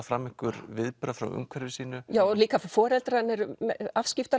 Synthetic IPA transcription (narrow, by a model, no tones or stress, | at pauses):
fɾamːɪhkʏɾvɪðpɾafɾa̰wʔʏ̰ŋkʰvɛɾɪsiːnʏjaːwɔliːkafɔːɾɛlt̪ɾanːɪɾmɛafscɪft̪a